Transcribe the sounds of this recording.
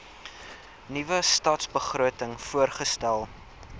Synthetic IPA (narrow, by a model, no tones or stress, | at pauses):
nivəstɑːtsbəχruətəŋfuərχəstælˠ